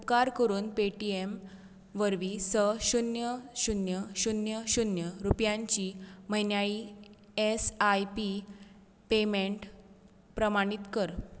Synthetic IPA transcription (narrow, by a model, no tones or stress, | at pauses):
upkaɾkəɾuːnpeʈiem | ʋəɾʋiːsəɕunjəɕunjəɕunjəɕunjəɾupjaɲt͡ɕiməɦinjaɭiː | esajpi | pemeɳʈ | pɾəmaɽ̃it̪kəɾ